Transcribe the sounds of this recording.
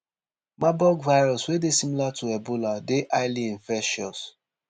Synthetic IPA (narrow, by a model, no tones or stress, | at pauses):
mabɔɡvaɪɹɔswedesimilatʰuɛboladeʔaɪliĩnfɛʃɔs